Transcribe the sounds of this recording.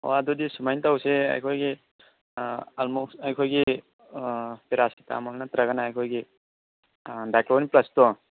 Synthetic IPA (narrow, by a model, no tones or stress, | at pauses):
ɔ̰adɔdisumajntawsea̰jkʰɔjɡi | almɔksajkʰɔjɡi | peɾasita̰mɔlnatɾaɡanaːjkʰɔjɡi | dajklɔwniplastɔ